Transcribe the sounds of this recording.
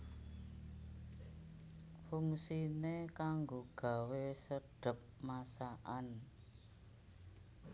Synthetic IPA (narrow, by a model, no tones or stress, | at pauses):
fuŋsinekaŋɡoɡ̥a̤wesəɖ̥ə̤p̚masaʔan